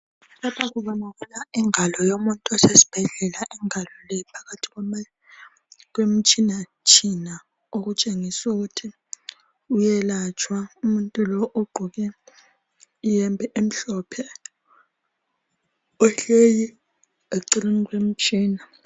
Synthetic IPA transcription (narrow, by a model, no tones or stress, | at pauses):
lapʰak̬uɓaŋakulaiŋalɔjomuntʼɔsesi̥b̥ʱɛɮɛlaʔiŋalɔlɛpʰḁkatʰi̥kwm | k̬wem̩t͡ʃʼina | t͡ʃʰʼina | ok̬ut͡ʃʼeŋisuk̬utʰi | ujɛlat͡ʃʰʼwaumuntʼulɔʔoɡ͡ǃʱuk̬ɛ | ijɛmbʱɛʔem̩ɬɔpʰɛ | ɔɬeji | eǀiriŋkwem̩t͡ʃʼiːna